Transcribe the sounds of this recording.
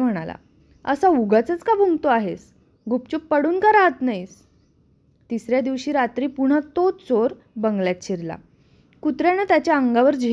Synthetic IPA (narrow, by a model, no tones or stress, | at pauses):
m̤əɽ̃ala̰ | ə̰sauɡat͡sət͡skabʱuŋɡt̪oaɦes | ɡupt͡ɕuppːəɽuːnkaɾat̪najs | t̪isɾjad̪iʋɕiːɾat̪ɾiːpuɳ̤ət̪ot̪t͡soɾ | bəŋɡljat̪t͡ɕʰiɾla̰ | kut̪ɾjanət̪jat͡ɕjaəŋɡaʋəɾd͡ʑe